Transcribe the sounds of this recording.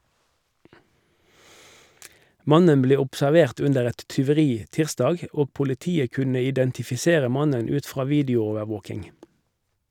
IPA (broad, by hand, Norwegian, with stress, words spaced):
ˈmɑnən ˈbleː ʊpsæʁˈʋeːʁt ˈʉndəʁ ˈɛt tʏʋəˈʁiː ˈtɪʁsdɑːɡ ˈoː pʊlɪˈtiːə ˈkʉnə ɪdɛntɪfɪˈseːʁə ˈmɑnən ˈʉːt ˈfʁɑː ˈʋiːdɪʊˌoːʋəʁˌʋoːkɪŋ